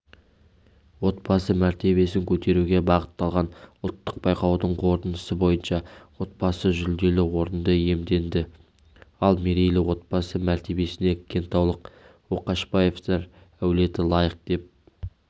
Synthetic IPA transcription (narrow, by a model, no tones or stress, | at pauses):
wo̞t̪bɑsəmæɾt̪e̞βe̞sɪŋkʲʰɵt̪e̞ɾuɡʲe̞bɑʁət̪ːɑlˠʁɑnʊlˠt̪ːəq̚bɑjqɑwd̪əɴqʰo̞ɾt̪ənəsəbo̞jənʃɑwo̞t̪̚bɑsəʒʏld̪e̞lɪwo̞ɾənd̪əje̞md̪e̞nd̪ɪ | ɑlˠmeɾejlɪwo̞t̪̚b̥ɑsəmæɾt̪e̞be̞sɪne̞kʲʰːe̞nt̪ɑwlˠəq̚ | woqɑʃbɑje̞ft̪eɾ | æwle̞t̪ɪlˠɑjəq̚d̪e̞p̚